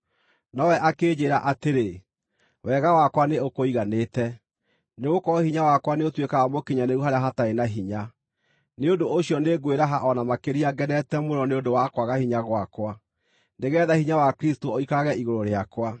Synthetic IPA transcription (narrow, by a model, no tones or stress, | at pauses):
nɔwɛʔakeːd͡ʑeɾaʔateɾe | wɛɣawakwaneokoiɣaneːtɛ | neɣokɔhiɲawakwaneotwekaːmokiɲaneuɦaɾeaɦataɾenaɦiɲa | neondooɕijɔneɡweɾaɦaʔɔnamakeɾiaɡɛnɛtɛmoɾɔneondowakwaɣahiɲaɣwakwa | neɣɛːðahiɲawakɾistooikaɣɛiɣoɾoɾeakwa